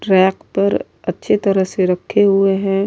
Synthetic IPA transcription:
ʈɾɛːkpɐɾ | ɐtːʃʰet̪ɐɾəɦseɾɐkʰːeɦʊeɦɛ̃ː

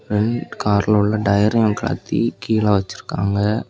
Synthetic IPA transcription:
ɾɛɳkaːɾlɐɭːɐɖɐjɾjɐnkɐɭɐ̰ːt̪ːḭkiːɭɐʋɐt͡ʃːɪɾɯ̥kːaːŋɡɐ

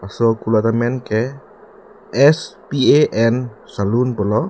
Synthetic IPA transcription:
asɔkulɔt̪əmɛnkɛ | ʔɛspieʔɛnsalunpəlɔ

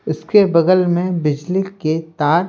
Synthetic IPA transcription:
ʊskebɐɡəlmẽbɪd͡ʒliket̪aːɾ

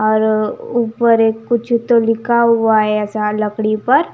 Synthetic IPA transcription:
ɔɾuːpəɾeːkːʊt͡ʃʰt̪olɪkaɦuaɦeɛsalɐkɽipəɾ

